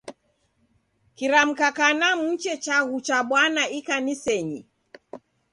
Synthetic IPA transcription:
kiɾam̩kakanamut͡ʃɛt͡ʃaɣut͡ʃaɓwanaikanisɛɲi

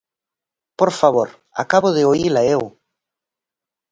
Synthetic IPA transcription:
poɾfaβ̞oɾ | a̰kaβʊðɪoilaew

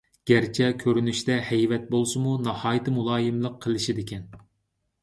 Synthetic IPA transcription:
ɡ̥ʲæɾt͡ʃʰɛkʲʰøɾynyʃt̪ɛhɛjvɛt̪̚bolˠsɨmunɑhɑːjɨt̪ʰɨmulˠɑːjɨmlˠəqʰːəlˠɨʃid̪ɪkʲʰɛn

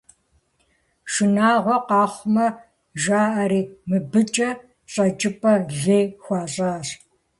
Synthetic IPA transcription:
ʃɨnaːʁʷɔqɑːχʷʊmɐ | ʒaːʔɐɾiːmɨbɨt͡ʃʼɐ | ɕʼɐt͡ʃʼɪpʰʼɐɮeːxʷɑːɕʼaːs

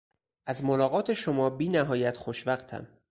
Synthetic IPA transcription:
ʔæzmolɒːɣɒːt̪ʰe̞ʃomɒːbiːnæɦɒːjæt̪xoʃvæχt̪ʰæ̰m

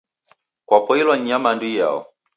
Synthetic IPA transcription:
kwapɔilwaɲɲamanduija̰ɔ̰

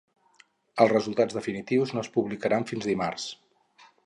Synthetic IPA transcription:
əlˠzrəzulˠt̪ad͡zðəfinit̪iwznoəspuβlikəɾaɱfinzðimars

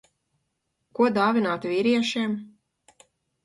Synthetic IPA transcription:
kuɔd̪aːvʲinaːt̪vʲiɾiɛʃiːm

